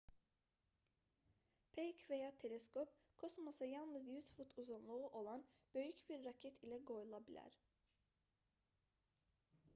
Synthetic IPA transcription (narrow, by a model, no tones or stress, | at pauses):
pʰejcvejaːt̪ʰe̞lʲɛskʰop̚ | kʰosmasɯjalˠnɯzjyz̥fut̪ʰuzunlˠuuʔo̞lˠanb̥ø̞jycbiɾːacʰɛt̪ʰilʲɛɡo̞julˠabilʲæ̰ɾ̥